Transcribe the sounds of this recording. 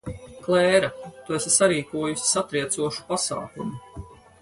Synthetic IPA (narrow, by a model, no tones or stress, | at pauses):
klˠɛːɾat̪uesesaɾiːkuɔjusʲi̥sat̪ɾiɛt̪suɔʃu̥pasa̰ːkumu